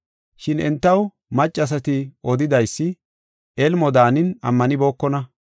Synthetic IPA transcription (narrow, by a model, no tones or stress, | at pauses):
ʃɪnɛ̰nt̪ːɐw | mɐt͡ʃʼːɐs̬ɐt̪ɪɔd̪ɪd̪ɐjsːɪ | ʔɛlmɔd̪aːnɪnɐ̰mːɐnɪbo̞ːkːɔnɐ